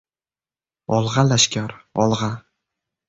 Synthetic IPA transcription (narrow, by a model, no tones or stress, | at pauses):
ɒlˠʁɑlaʃkʲaɾɒlˠʁɑ